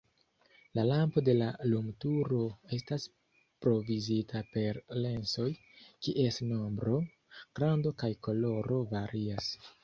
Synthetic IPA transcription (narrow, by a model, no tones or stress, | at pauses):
lalampo̞de̞lalumtuɾo̞e̞stas | pɾo̞vizitʰape̞ɾle̞nso̞j | kiʔe̞stno̞mbɾo̞ | ɡ̥ɾando̞kajko̞lo̞ɾo̞vaɾias